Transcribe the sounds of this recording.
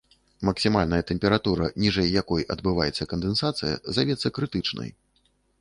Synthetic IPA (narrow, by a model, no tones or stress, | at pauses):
mɐksʲimalʲnɐjɐt̪ɛmʲpʲɛɾat̪uɾɐnʲiʐɛjːakɔjʔɐd̪̚bɨva̰jɛt̪sːɐkɐnd̪ɛnsat̪sɨjɐ̰zavʲɛt̪sːɐkɾɨt̪ɨt͡ʂnɐ̰j